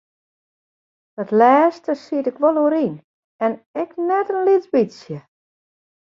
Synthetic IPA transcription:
d̥ɔtlɛːstəsiətɪkʋɔlˠoəɾin | ɛnɛknɛtənlit͡sbisjə

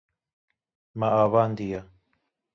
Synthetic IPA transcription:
maʔaβand̪ia

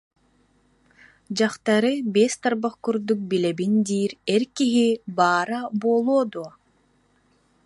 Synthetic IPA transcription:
d͡ʑaχt̪aɾɯbest̪aɾbaχkuɾd̪uk̚bilɛbind̪iːɾɛɾkiɦibaːɾabuɔlˠuɔd̪uɔ

